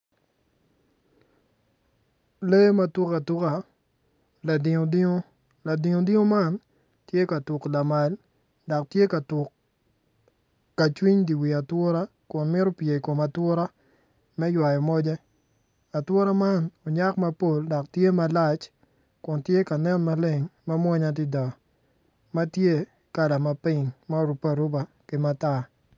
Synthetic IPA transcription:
le˦ma˦tu˦ka˨tu˦ka˨ | la˨dɪ˨ŋo˨di˦ŋo˦ | la˨di˨ŋo˨di˦ŋo˦ma˦˨n | tje˦ka˨tu˨kla˨ma˨l | dɔ˨k̚tje˦ka˨tʊ˨k | a˨t͡ʃwi˦ɲdi˨wi˨a˨twʊ˦ɾa˦ | kʊ˨nmɪ˦ɾo˦pje˨ko˨ma˨twʊ˦ɾa˦ | mɛ˦jwa˨jɔ˨mɔ˦d͡ʒɛ˦ | a˨twʊ˦ɾa˦ma˦nɔ˨ɲa˦kma˦po˦ldɔ˨k̚tje˦ma˨la˦t͡ʃ | kʊ˨ntje˦ka˨nɛ˦nma˦lɪ˨ŋma˦mwɔ˦ɲa˦t̬i˦da˨ | ma˦tje˦ | ka˦la˨ma˦pɪ˦ɲma˦ɾu˨pa˨ɾʊ˦ba˨ | kɪ˦ma˦ta˦

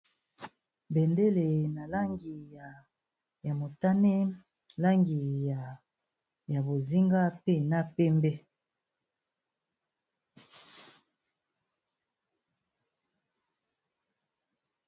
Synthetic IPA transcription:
be˨nde˦le˨na˨la˦ŋɡi˨ja˨ | ja˨mo˨ta˦ne˦ | la˦ŋɡi˨ja˨ | ja˨bo˨zi˦ŋɡa˦pe˦na˦pe˦mbe˦

